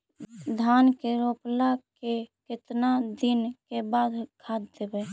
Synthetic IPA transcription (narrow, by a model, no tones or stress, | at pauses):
d̪ʱankeɾoplakekɪt̪nad̪inkebad̪kʰad̪d̪ebɛ